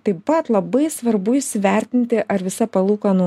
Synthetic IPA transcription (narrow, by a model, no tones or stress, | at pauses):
t̪ɐɪpɐt̪lˠɐbɐɪsʋɐɾbʊɪʃsʲɪʋʲæɾʲt̪ʲɪnʲt̪ʲɪʔɐɾʋʲɪsɐpɐlˠuːkɐnu